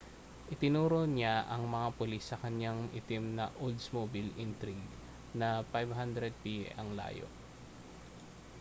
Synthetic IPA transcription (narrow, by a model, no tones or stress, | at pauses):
ʔɪt̪ɪnuːɾonaʔɐŋmɐŋapʊlisːɐkɐɲjaŋʔɪ̰t̪ɪmnɐʔold̪smobɪlɪnt̪ɾiɡ | nɐpajvɦand̪ɾɛd̪̚pḭʔɐŋla̰ːjo̰ʔ